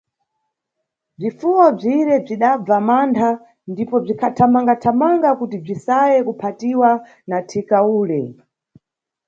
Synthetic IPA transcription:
b͡ʐifuwɔb͡ʐiɾɛb͡ʐiɗab͡vamantʰa | ndipɔb͡ʐikʰatʰamaŋɡatʰamaŋɡakutib͡ʐisajɛkupʰatiwa | natʰikauːlɛ

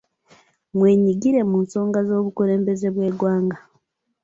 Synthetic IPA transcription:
mwe̞ːɲiɡiɾe̞muːnso̞ːŋɡazo̞ːβukuɾe̞ːmbe̞ze̞βwe̞ːɡwaːŋɡa

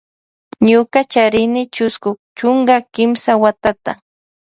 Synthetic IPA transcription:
ɲʊkat͡ʃaɾɪnɪt͡ʃʊskʊt͡ʃʊŋɡakɪmsawat̪at̪a

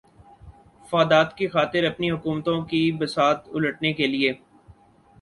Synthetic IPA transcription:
faːd̪aːt̪kixaːt̪ɪɾɐpniɦʊkuːmt̪õkibɐsaːt̪ʊləʈnekelieː

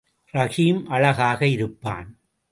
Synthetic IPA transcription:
ɾɐɣiːmʔɐɭɐɣaːɣɐɪɾɯpːa̰ːn

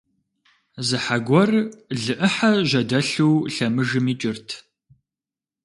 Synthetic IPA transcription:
zɨħaɡʷɔrɮɨʔɨħaʒʷɐdɐɬuwɬɐmɨʒɨmiːt͡ʃʼɪrtʰ

